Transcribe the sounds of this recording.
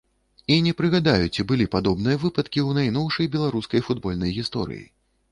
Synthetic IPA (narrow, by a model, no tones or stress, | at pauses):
inʲɛpɾɨɣad̪ajut͡sʲibɨlʲipad̪ɔbnɨjɐvɨpɐt̪kʲiwnajnɔwʂɐjbʲɛlˠaɾuskɐjfud̪bɔlʲnɐjɣʲist̪ɔ̰ɾɨ̰jḭ